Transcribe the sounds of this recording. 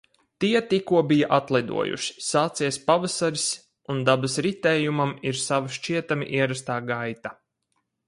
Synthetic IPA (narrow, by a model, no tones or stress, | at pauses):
t̪iɛt̪ikuɔbijaʔat̪lˠad̪ṵɔ̰jṵʃi̥saːt̪siɛspavasaɾis | und̪abasɾit̪ɛːjumamiɾsavaʃt͡ʃiɛt̪amḭʔiɛɾas̬t̪aːɡajt̪a